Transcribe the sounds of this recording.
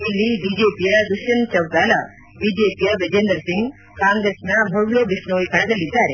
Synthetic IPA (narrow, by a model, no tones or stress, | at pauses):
ilːibid͡ʒeːpijɐd̪uʃɐnt͡ʃɐwt̪aːlɐ | biːd͡ʒeːpijɐʋed͡ʒend̪əɾsiŋɡ | kãːŋɡɾesnɐbʱɐɽloːbiʃɳoːjkɐɳd̪ɐlːit̪ːaːɾe